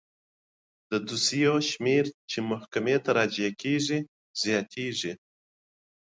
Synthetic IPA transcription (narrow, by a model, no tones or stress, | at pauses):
d̪̥əd̪usijoʃmeɾt͡ʃemʊhkamet̪aɾɑd͡ʒakʰeʐi | z̥jɑt̪ʰeʐi